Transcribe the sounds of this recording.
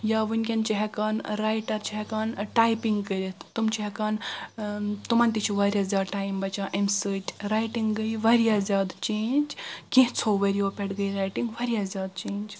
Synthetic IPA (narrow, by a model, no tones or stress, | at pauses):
jaːʋunʲkʲent͡ʃiɦekaːnɾaːjʈɐɾt͡ʃiɦɛkaːnʈaːjpiŋɡkəɾʲet̪t̪umt͡ʃiɦɐkaːn | t̪umɐnt̪it͡ʃʰiʋɐɾʲjazʲaːd̪ʈaːjmbɐt͡ʃãːʔemsɨʈʲɾaːjʈiŋɡɡəjʋɐɾijazʲaːd̪t͡ʃeːnd͡ʒkĩɦt͡sʰoʋɐɾijopʲeʈɡɐjɾajʈiŋɡʋɐɾijazʲjaːd̪t͡ʃeːnʲd͡ʒ